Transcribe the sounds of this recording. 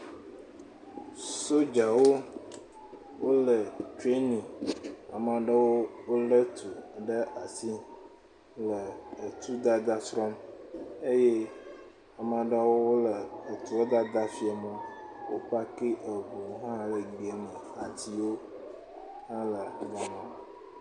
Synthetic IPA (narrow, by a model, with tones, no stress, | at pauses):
so˦d͡ʒa˨wo˦ | wo˦lə˨tɾe˦nĩ˨a˨mã˨ɖə˦wo˦wo˦lə˦t̪ʰu˨ɖə˦ʔa˨si˦ | lə˨ə˨t̪ʰu˦d̪a˦d̪a˦sɾɔ˦me˦je˦ | a˨mã˨ɖa˦wo˦wo˦lə˨ə˨t̪u˨a˦d̪a˦d̪a˦fi˦a˨mə˨ | wo̰˦k͡pa˦ki˦ʔə˨bu˨˦ɦã˦lə˨ɡ͡be˨nĩ˨ | a˨t̪ʰi˦wo˦ | hã˦lə˨ɡa˨mã˨